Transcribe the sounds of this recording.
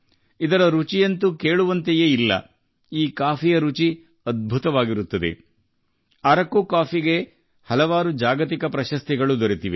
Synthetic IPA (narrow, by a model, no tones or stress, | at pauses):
id̪ɐɾɐɾut͡ʃijɐnt̪uke̞ːɭuʋɐnt̪ejeːilːɐ̰ | iːkaːpʰijɐɾut͡ʃi | ɐd̪̚bʱut̪ɐʋaːɡiɾut̪ːɐd̪e̞̰ | ɐɾɐkːuːkaːpiɡe̞ | hɐlɐʋaːɾud͡ʒaːɡɐt̪̬ikɐpɾɐʃɐst̪iɡɐɭud̪ɔɾit̪iʋḛ